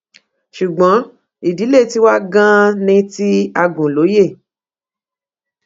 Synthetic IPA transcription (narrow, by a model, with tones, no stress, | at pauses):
ʃu˨ɡ͡bɔ̃˨˦ | i˨di˨˦le˦˨ti˧˦wa˦ɡã˦nĩ˧ti˦a˧ɡũ˨lo˨˦je˦˨